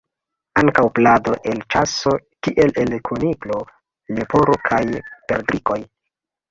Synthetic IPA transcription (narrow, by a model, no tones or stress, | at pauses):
aŋkawplado̞ʔe̞lt͡ʃaso̞kiʔe̞le̞lkʰuniklo̞ | lepo̞ɾokʰajpe̞ɾdɾiko̞j